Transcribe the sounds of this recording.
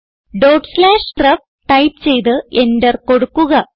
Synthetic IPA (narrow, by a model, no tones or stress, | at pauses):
ɖoːʈslaːʂkrɐf̚ | ʈɐjp̚t͡ɕe̞jt̪ɨendɐrko̞ɽukːuɣɐ